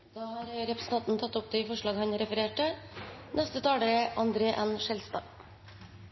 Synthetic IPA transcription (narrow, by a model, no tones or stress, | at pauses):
d̪̥ɑːhɑːɾɾɛpɾəsn̩t̪ɑnt̪n̩t̪ʰɑt̪ːʊp̚d̪eifɔʂɭɑːɡhɑɲɾɛfəɾeːʈənʔɛst̪ət̪ʰɑːləɾəʔɑnd̪ɾeːʔɛnʃɛlst̪ɑ̰ː